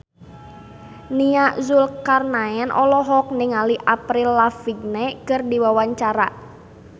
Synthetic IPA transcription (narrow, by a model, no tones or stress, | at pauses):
niaʔzulkarnaɛnʔɔlɔɦɔk̚nɪŋaliʔapɾilːafiɡ̚nekɨrdiwawaɲt͡ʃaɾaʔ